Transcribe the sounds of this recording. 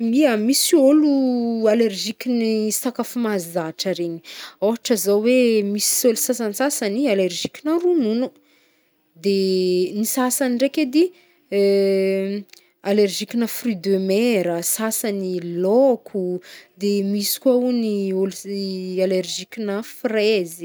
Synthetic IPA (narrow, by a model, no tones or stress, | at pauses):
miamisiolualerʒikʲinist̪akafumazaʈ͡ʂəɾeɲi̥oɦaʈ͡ʂəzawemisi̥olusasanisasanialeɾʒikʲinarununu | d̪enisasanirekʲed̪i | alerʒikʲinəfryd̪emeɾəsasanilokʰud̪emisi̥kauniolualerʒikʲinəfrezi